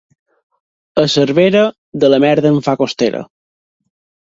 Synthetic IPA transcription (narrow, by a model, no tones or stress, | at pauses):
əsəɾβeɾə | ðələmɛɾðəəɱfakost̪eɾə̰